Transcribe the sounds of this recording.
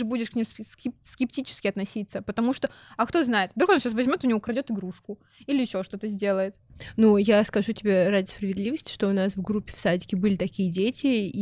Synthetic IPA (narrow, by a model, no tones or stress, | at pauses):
ɨbudʲɪʂknʲimsskʲɪpskʲɪptʲit͡ɕɪ̥skʲɪɐt̪nɐsʲit̪səpət̪ɐmuʂt̪o | ɐkt̪o̞znajɪt̪vd̪ɾukɐnoɕasvɐzʲmʲo̞t̪ʊnʲɪvokɾɐdʲo̞t̪ɨɡɾuʂkʊ | ilʲɪɪɕːo̞ʂt̪o̞t̪əzʲdʲe̞lˠəjɪt̪nujaskɐʐutʲɪbʲeɾadʲɪspɾəvʲɪd̪lʲivəsʲtʲɪ̥ʂt̪o̞ʊnasvɡɾupʲːɪ̥fsadʲɪkʲɪbɨlʲɪt̪ɐkʲijədʲetʲɪ